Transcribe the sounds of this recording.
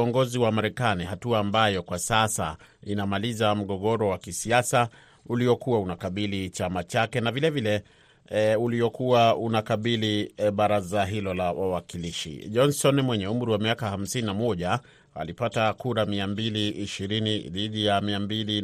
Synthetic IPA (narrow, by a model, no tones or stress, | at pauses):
ɔŋɡɔziwamaɾɛkanihatuaːmbajɔkwasasa̰inamalizam̩ɠɔɠɔɾɔwakisiasa | uliɔkuwaunakaɓilit͡ʃamat͡ʃakɛnavilɛvilɛ | uliɔkuwaunakaɓiliɓaɾazaɦilɔlawawakiliʃḭʄɔnsɔnmwɛɲɛum̩ɾiwamiakaham̩sininamɔʄa | a̰lipatakuɾamiambiliːʃiɾiniðiɗijamiambili